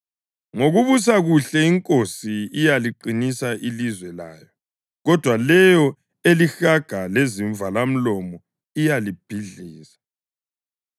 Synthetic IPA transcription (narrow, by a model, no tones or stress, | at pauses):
ŋoɣuβus̬aɣuɬɛiŋkʼosiijaliǃinisaʔilizwɛla̰ːjɔ | ɣɔd̥ʱwalɛjɔ | elixaɡ̥ʱaleziɱvʱalam̩lɔmɔ | ijalib̥ʱiɮiːsḁ